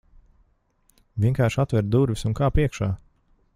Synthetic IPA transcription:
vʲiɛŋkaːɾʃat̪vɛɾd̪uɾvʲisunkaːpiɛkʃaː

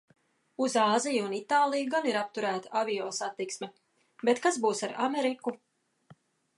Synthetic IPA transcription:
uzaːzijunit̪aːlˠijuɡaniɾap̚t̪uɾæːt̪aavijɔːsat̪ːiksmɛ | bɛt̪kazbuːsaɾamɛɾiku

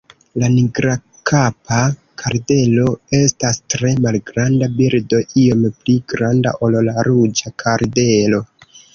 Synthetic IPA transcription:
laniɡɾa | kʰapa | kʰaɾde̞lo̞e̞stastɾe̞malɡɾandabiɾdo̞ʔio̞mpliɡɾanda̰ʔo̞llaɾud͡ʒakʰaɾde̞lo̞

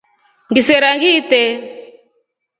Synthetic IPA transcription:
ŋɡisɛɾaŋɡitɛ

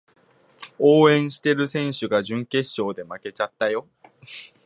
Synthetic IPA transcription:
oːẽ̞ɰ̃ɕi̥t̪e̞ɾɯ̟sẽ̞ɰ̃ɕɨɡaʑɨ̃ŋke̞ɕːo̞ːd̪e̞make̞t͡ɕat̪ːajo̞

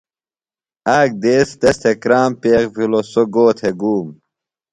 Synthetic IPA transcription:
aːk̚d̪eːst̪est̪ʰekɾaːmpeːkbilosoɡoːt̪ʰeɡuːm

